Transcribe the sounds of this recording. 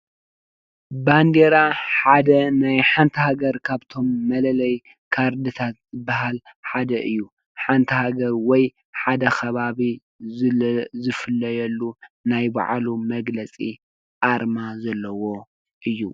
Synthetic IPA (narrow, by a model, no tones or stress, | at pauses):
band̪eɾaħad̪ɐnajħant̪ʰɐhaɡɐɾkʰaβt̪ʰo̞mːɐlɐlɐj | kʰaɾd̪ɨt̪ʰat̪zɨbːaɦal | ħad̪ɐʔɨjːu | ħant̪ʰɐhaɡɐɾwɔj | ħad̪ɐxʰɐβaβi | zɨfɨlːɐjɐlːunajba̰ʕlumɐɡlɐt͡sʼi | ʔaɾmazɐlːɐwo̞ | ʔɨjːu